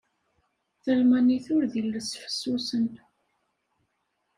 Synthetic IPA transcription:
θəlmæniθʊɾðilːəsfə̥sːusən

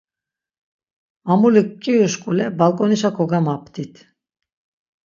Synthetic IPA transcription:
amulukːiuʃkʼulɛbalˠkʼɔniʃakʰɔɡamapt̪ʰit̪ʰ

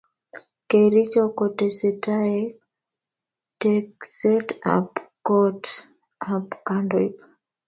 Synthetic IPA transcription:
keɾit͡ʃɔkɔtɛsɛtaɛ | tɛksɛta̰pkɔt | apkandɔik

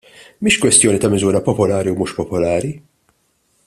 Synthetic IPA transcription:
miːʃkwɛst̪jɔːnit̪ɐmɪzuːɾɐpɔpɔlɐːɾiwmuːʃpɔpɔlɐːɾi

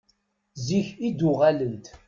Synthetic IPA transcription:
ziçid̪ʊʁalənt̪

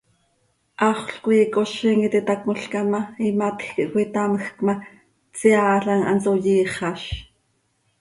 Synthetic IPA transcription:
ʔɑχʷɬkojikoʃiŋit̪it̪ɑkmoɬkɑmɑimat̪xkiʔkʷit̪aməxkmɑ | t͡siɑːɬɑŋɑ̰nt͡sojiːχɑʃ

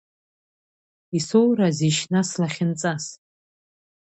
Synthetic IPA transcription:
isowraziʃnaslaχʲɪnt͡sʼas

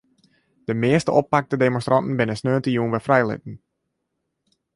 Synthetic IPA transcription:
d̥əmɪəstəʔɔpːak̚tədemɔ̃nstrɑntn̩bɪnəsnøːntəjuənʋɛfrɛjlɪ̰t̚n̩

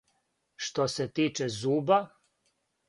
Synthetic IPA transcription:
ʃt̪oset̪iːt͡ʃezuːba

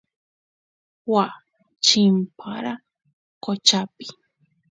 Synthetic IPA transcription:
wa | t͡ʃimpʰaɾa | kot͡ʃapi̥

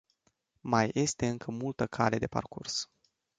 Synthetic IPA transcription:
maje̞st̪e̞ɨŋkʰəmult̪əkʰale̞d̪e̞pa̰rkurs

